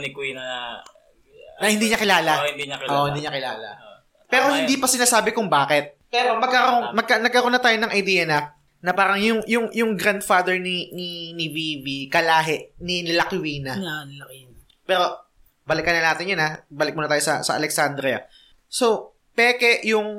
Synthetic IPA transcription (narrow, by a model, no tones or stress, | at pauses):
nɪki | nɐhɪnd̪iːɲɐkɪlaːlad̪ʔoʔhɪnd̪iːɲɐkɪla̰ːlɐ̰ | pɛːɾo̞hɪnd̪ipɐsɪnaːsaːbɪkʊŋbaːkɛt̪̚pɛːɾomɐɡ̚kɐɾomɐɡ̚kɐnɐɡ̚kːɐɾonat̪aːjonɐŋʔɐjd̪iːjɐnɐ | nɐpaːɾɐŋjʊŋjʊŋjʊŋɡɾand̪fad̪ɛɹnininiwiːvikɐlaːɦɛʔninɪlɐkɪwiːnɐ | pɛːɾo̞ | bɐlɪkːɐnɐnaːt̪ɪnjɐnabaːlɪk̚munɐt̪aːjosɐ̰sɐ̰ʔɐ̰lɛksand̪ɾɪɐ̰ | so | pɛːkɛʔjʊŋ